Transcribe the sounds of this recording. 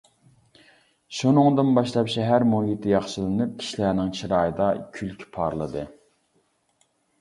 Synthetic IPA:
ʃunɨŋd̪ɨnbɑʃlˠɑpʃɛɦæɾmoɦit̪ʰɪjɑχʃlˠɨnɨp̚kʲʰi̥ʃilænɪŋt͡ʃʰiɾɑːjɨd̪ɑkʲʰylkʲʰpʰɑɾlˠɨd̪ɨ

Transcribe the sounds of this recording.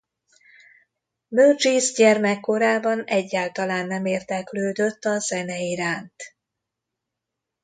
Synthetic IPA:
møːrd͡ʒiːzɟɛrmɛkːo̞ɾaːbɒnɛɟːaːlt̪ɒlaːnːɛmeːrd̪ɛkløːd̪øt̪ːɒzɛnɛiɾaːnt̪

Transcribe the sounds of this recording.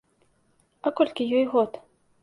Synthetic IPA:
ɐkɔlʲkʲijɔjɣɔt̪

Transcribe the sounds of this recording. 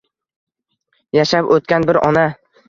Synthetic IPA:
jaʃapot̪̚kʲanbɪɾɒna

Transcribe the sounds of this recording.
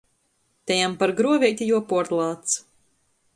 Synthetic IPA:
t̪ɛjampaɾɡɾuɔvʲiɛt̪ʲijuɔpuɔɾt̪lˠaːt̪s

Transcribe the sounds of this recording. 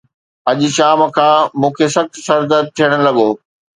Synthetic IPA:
ɐʄʊ̆ʃaːmkʰãːmũːkʰesɐxt̪sɐɾd̪ət̪ʰijəɽ̃ʊ̆lɐɠoː

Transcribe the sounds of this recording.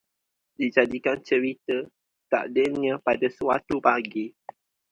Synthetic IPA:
did͡ʒadikant͡ʃəɾit̪ə | t̪a̰ʔdɪnɲãpadasəwat̪upaɡi

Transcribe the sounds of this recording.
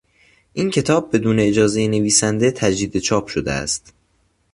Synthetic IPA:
ʔincʰe̞t̪ʰɒːb̚ːe̞d̪uːne̞ːd͡ʒɒːze̞jene̞viːsænd̪e̞t̪ʰæd͡ʒd̪iːd̪e̞t͡ʃʰɒːpʰʃo̞d̪eæ̰st̪

